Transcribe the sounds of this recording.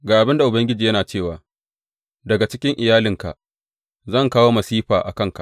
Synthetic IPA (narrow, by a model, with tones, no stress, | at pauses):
ɡaː˨ʔa˨bɪ˦nda˨ʔʊ˨bɐ˦ŋɡʲɪ˦d͡ʒiː˨jɐ˦naː˨t͡ʃeː˦˨waː˨ | dɐ˨ɡa˨t͡ʃɪ˦kʲɪ˦ŋʔɪ˨jaː˦lɪ˨ŋka̰˨ʔ | zɐ˦˨ŋkaː˦woː˦mɐ˨siː˦ɸaː˨ʔa̰˨kɐ˦˨ŋka̰˨